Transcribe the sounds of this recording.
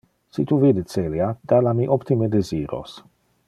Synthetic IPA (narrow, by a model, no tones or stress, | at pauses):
sit̪uvid̪et͡seliad̪alamiʔopt̪imed̪eziːɾo̰s